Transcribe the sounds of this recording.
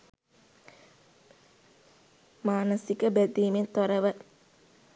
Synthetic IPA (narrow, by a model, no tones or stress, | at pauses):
maːnɐsikəbed̪iːmet̪oɾɐʋə